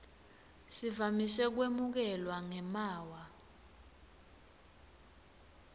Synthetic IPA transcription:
sivamisɛk̬wemuk̬ɛlwaŋɛmaːwa

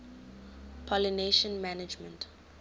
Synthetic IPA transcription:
pʰɔlineʃə̃nmænɪd͡ʒmə̃nt

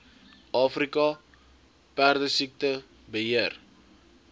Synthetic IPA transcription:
ʔɑːfrikɑ | pærdəsik̚tə | bəɦiər

